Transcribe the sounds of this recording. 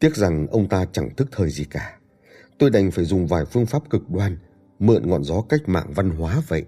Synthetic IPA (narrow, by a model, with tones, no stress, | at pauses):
t̪i˦˥ət̚za˨˩ŋʔə˧wŋ͡mt̪aː˧t͡ɕa˧˩ŋt̪ʰɨ˦˥k̚t̪ʰəː˨˩jzi˨˩kaː˧˩ | t̪o˧jɗa˨˩jŋ̟faː˧˩jzʊ˨˩ŋ͡mvaː˨˩jfɨ˧əŋfaː˦˥p̚kɨ˨˩k̚ɗwaː˧n | mɨ̰˧˨ənŋɔ̰˧˨nzɔ˨˦ka˦˥jk̟̚ma̰ː˧˨ŋva˧nɦwaː˨˦və̰˧˨jʔ